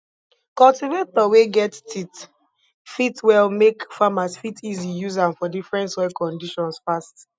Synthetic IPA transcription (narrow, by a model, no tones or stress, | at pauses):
kɔltivetdɔweɡɛttʰit | fitwɛlmekfamasfitʰizijuzãnfɔdifɹɛ̃ntsɔɪkɔ̃ndiʃɔ̃nsfast